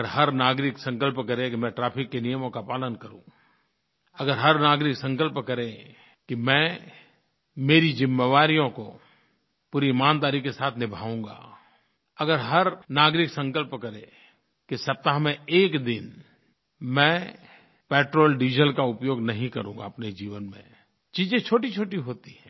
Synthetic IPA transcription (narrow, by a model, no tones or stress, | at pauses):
əɾɦɐɾnaːɡɾɪksɐ̃ŋkəlpkɐɾẽkimɛ̃ʈɾaːpʰɪkːenijəmõkapaːlənkɐɾṵ̃ː | ɐɡəɾɦɐɾnaːɡɾɪksɐ̃ŋkəlpkɐɾẽ | kimɛ̃ | meːɾizɪmːeʋaːɾijõko̰ | puːɾimaːnd̪aːɾikːesaːt̪ʰnɪbʱaːũːɡa̰ː | ɐɡəɾɦɐɾnaːɡɾɪksə̃ŋkəlpkɐɾẽ | kisɐp̚t̪aɦmẽeːkd̪ɪn | mɛ̃ː | pɛːʈɾoːlɖiːd͡ʒəlkaʊpjoːɡnɐɦĩkɐɾṵ̃ːŋɡa̰ɐpned͡ʒiːʋənmḛ̃ | t͡ʃiːzẽt͡ʃʰoːʈit͡ʃʰoːʈiɦoːt̪i̥ɦɛ̃ː